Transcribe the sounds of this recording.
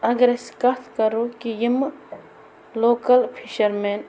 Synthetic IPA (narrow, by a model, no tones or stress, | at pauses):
ɐɡɾeskɐt̪ʰkɐɾokijim | loːkɐlpʰiʃɐɾmeːn